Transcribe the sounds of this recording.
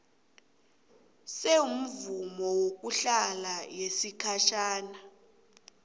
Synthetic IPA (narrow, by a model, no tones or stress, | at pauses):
seum̩vumɔwok̬ʼuɬalajesikʰaʃaːna